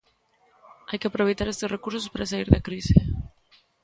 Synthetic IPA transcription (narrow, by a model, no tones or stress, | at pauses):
ajkeapɾoβejt̪aɾest̪esrekuɾsospaɾas̬aiɾðakɾisi